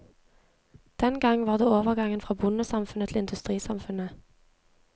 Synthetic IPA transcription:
d̪̥ɛnɡɑŋʋɑːʁd̪eːoːʋəʁɡɑŋənfʁɑːbʊnəsɑmfʉnət̪ʰl̩ɪnd̪ʉst̪ʁiːsɑmfʉnə

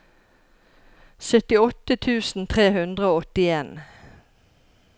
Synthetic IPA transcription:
sœt̪ɪɔt̪ət̪ʰʉːsn̩t̪ʰʁeːhʉnd̪ʁəoːɔt̪ɪeːn

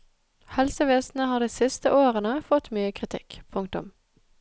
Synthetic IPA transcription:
hɛlsəʋeːsn̩əhɑːd̪iːsɪst̪əʔoːʁənəfɔt̪myːəkʰʁɪt̪ʰɪ̰kpʰʊŋkt̪ʊ̰m

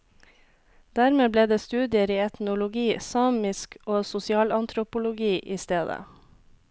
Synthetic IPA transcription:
d̪̥æɾmeːbleːd̪eːst̪ʉːd̪ɪəɾiːɛt̪nʊlʊɡiːsɑːmɪskoːsʊsɪɑːlɑnt̪ʰɾʊpʊlʊɡiːʔiːst̪eːd̪ə̰

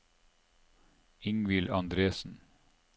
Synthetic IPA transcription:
ɪŋʋɪlʔɑnd̪ɾeːsn̩

